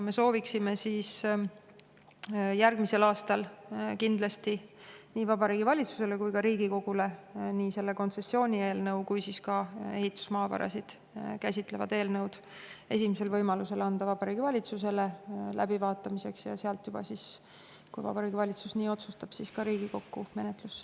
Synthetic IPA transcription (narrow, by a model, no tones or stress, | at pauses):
me̞so̞ːviksime̞siːs | jærɡ̥mise̞lɑːst̪ɑlkind̪̥lɑst̪iniːvɑbɑɾiːɡivɑlʲit̪su̥se̞le̞kujkɑɾiːɡ̥iko̞ɡ̥ule̞niːse̞lːe̞ko̞nse̞sːjo̞ːnʲie̞ːlnɤwkujsiskɑe̞ɦit̪ːˑu̥smɑːvɑ̰ɾɑ̰sid̪̥ | kæsʲit̪ˑle̞vɑ̰d̪̥e̞ːlnɤwd̪̥ | e̞simise̞lvɤjmɑluse̞lɑnd̪̥ɑvɑb̥ɑɾiːɡ̥ivɑlʲit̪suse̞le̞læ̰bivɑːt̪ːˑɑmise̞ksjɑ̰seɑlt̪jub̥ɑ̰sis | kujvɑ̰b̥ɑɾiːɡivɑlʲit̪susniːo̞t̪sust̪ɑb̥siskɑɾiːɡiko̞kːume̞net̪ˑlus